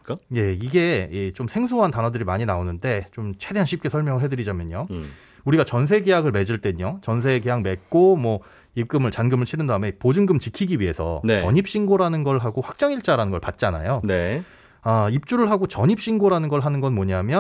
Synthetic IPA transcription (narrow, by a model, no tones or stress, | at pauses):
kje̞iɡe̞it͡ɕomsʰe̞ŋsʰoɦantanɦʌdɯɾimaɲinaonɯnde̞t͡ɕomt͡ɕʰe̞de̞ɦanɕʰip̚k͈e̞sʰʌɭmjʌŋɯɭɦe̞dɯɾid͡ʑamjʌɲo | uɾiɡat͡ɕʌns̬ʰe̞ɡejaɡɯɭme̞d͡ʑɯɭt͈e̞ɲot͡ɕʌnsʰe̞ɡejaŋme̞tk̚k͈omwʌ | ik͈ɯmɯɭt͡ɕanɡɯmɯɭɕʰiɾɯndaɦɯme̞pod͡ʑɯŋɡɯmt͡ɕikʰiɡiɥiɦe̞sʰʌ̰nt͡ɕʌɲip̚ɕ͈ʰinɡoɾanɯnɡʌɭɦaɡoɸwak̚t͡ɕ͈ʌŋiɭt͡ɕ͈aɾanɯnɡʌɭpat̚t͡ɕ͈iana̰jone | aip̚t͡ɕ͈uɾɯɭɦaɡot͡ɕʌɲip̚ɕ͈inɡoɾanɯnɡʌɭɦanɯnɡʌnmʌɲamjʌ